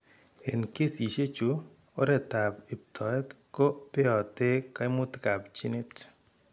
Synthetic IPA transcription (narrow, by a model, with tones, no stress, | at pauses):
e˨nke˦si˨ʃe˦t͡ʃu˨ | o˦ɾɛ˨ta˨pi˨p̚tʰɔ˨ɛ˦t | ko˦pɪ˦ɔ˨te˦ka˦ɪ˦mʊ˦tka˨pt͡ʃi˦ne˦t